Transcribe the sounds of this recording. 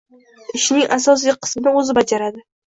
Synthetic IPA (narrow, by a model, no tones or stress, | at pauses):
ɪʃnɪŋʔasɒs̬ijqʰɨ̥smɪnɪɵzɪbad͡ʒaɾad̪ɪ